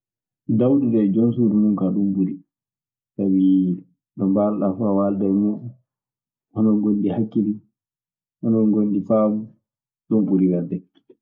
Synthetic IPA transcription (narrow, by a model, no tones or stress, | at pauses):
dawɗidɛd͡ʒonsuɾumumkaɗumbuɾi | sawi | ɗɔmbalɗafawaldɛmuɗɔ | hɔnɔŋɡonːdihakːiɾi | ʔɔnɔŋɡondifabu | ɗɔmbuɾiwɛldɛ